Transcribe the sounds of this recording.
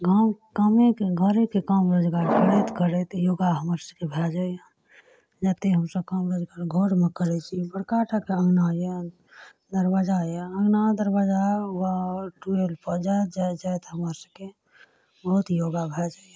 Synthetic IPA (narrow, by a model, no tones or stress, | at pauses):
ɡʱamɡamekeɡʱəɾekekamɾod͡ʒɡaɾkəɽɛt̪kəɾɛt̪joɡaɦəməɾsəkebʱɛld͡ʒaj | d͡ʒət̪eɦəmsəbkamɾod͡ʒɡaɾɡʱoɽmekəɾɛt͡ʃʰibəɽkaʈʰakeəɡnaje | d̪əɾbad͡ʒaeəɡnad̪əɾbad͡ʒawaʈuelpəd͡ʒajt̪d͡ʒajd͡ʒaet̪ɦəməɾsəbke | bəɦut̪joɡabʱɛld͡ʒa